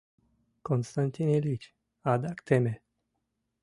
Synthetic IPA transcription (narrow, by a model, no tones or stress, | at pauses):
konst̪ant̪inelit͡ʃ | ad̪akt̪eme